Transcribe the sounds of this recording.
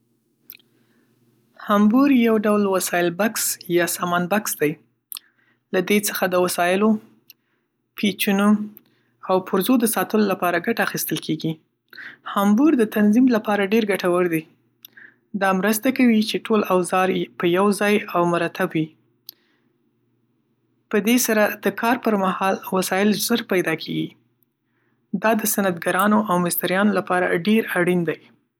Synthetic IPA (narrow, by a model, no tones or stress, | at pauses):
hambuɾjawɖawlwasɑjɪlbaksjɑsɑmɑnbaksd̪aj | lad̪et͡sə̥xad̪əwasɑjɪlo | pʰet͡ʃuno | awpʰʊɾzod̪əsɑt̪əlolapɑɾaɡaʈaːxist̪əlkʰeɡi | hambuɾd̪ət̪anzimlapɑɾaɖeɾɡaʈawəɾd̪e | d̪ɑmɾəst̪akawit͡ʃeʈʰolawzɑɾpəjawzɑjawmʊɾat̪ʰabwi | pəd̪esaɾad̪̥əkʰɑɾpəɾmahɑlwasɑjɪlzəɾpajd̪ɑkʰeɡi | d̪ɑd̪əsanat̪ɡaɾɑnoʔawmɪst̪aɾjɑnolapɑɾa̰ɖeɾaɽind̪aj